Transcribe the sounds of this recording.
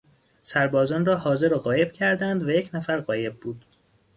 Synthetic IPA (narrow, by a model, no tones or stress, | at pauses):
sæɾbɒːzɒːnrɒːhɒːze̞ɾoɢɒːje̞b̥cʰæɾd̪ænd̪væjecʰnæfæɾɣɒːje̞b̚buːd̪